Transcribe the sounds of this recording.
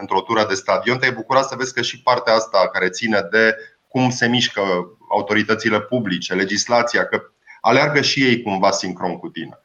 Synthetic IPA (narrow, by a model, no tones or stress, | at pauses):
ɨnt̪ɾot̪uɾəd̪e̞st̪ad̪io̞nt̪ejbukuɾat̪səvesʲkəʃipart̪eaast̪akaɾe̞t̪sine̞d̪e̞ | kumse̞miʃkə | a̰ut̪o̞ɾit̪ət̪sile̞publit͡ʃe̞le̞d͡ʒislat̪siakə | a̰learɡəʃije̞jkumvasiŋkɾo̞ŋkut̪ḭne